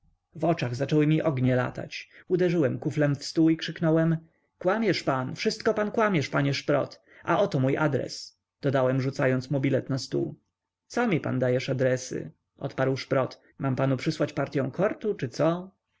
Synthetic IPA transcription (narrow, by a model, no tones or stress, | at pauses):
vɔt͡ʂaɣzat͡ʂɛwɘmʲiʔɔɡɲɛla̰t̪a̰t͡ɕud̪ɛʐɘwɛmkuflɛmfst̪uikʂɘknɔwɛm | kwamʲjɛʂpanfʂɘst̪̚kɔpankwamʲjɛʂpaɲɛʂpɾɔ̰t̪ | ʔa̰ʔɔt̪ɔmujʔa̰d̪ɾɛ̰s | d̪̥ɔd̪awɛmʐut̪sajɔnt̪smɔbʲilɛt̪nast̪ṵ | t̪sɔmʲipa̰nd̪ajɛʂad̪ɾɛsɘ̰ | ʔɔ̰t̪paɾwʂpɾɔt̪ | mampanupʂɘswat͡ɕpaɾt̪ʲjɔ̃w̃kʰɔɾt̪ut͡ʂɘt̪sɔ